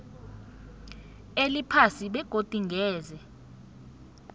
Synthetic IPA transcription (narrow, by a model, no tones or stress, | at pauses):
elipʰasiɓɛɡ̥ʱod̥ʼʱiŋɡʱɛːzɛ